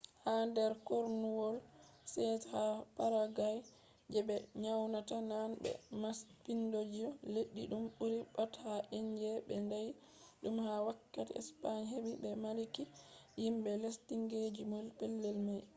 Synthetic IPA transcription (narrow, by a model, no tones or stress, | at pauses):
handɛɾkoɾnuwɔlsɛthapaɾaɡaj | d͡ʒɛbɛɲawnatananbɛ̰maspindod͡ʒiɔleɗːiɗumɓuɾiɓathaʔeɲd͡ʒɛbɛndaj | ɗumhawakːatḭɛ̰spaɲɦebibɛmalikijimbɛlestiŋɡed͡ʒimɔlpɛlːɛlmaj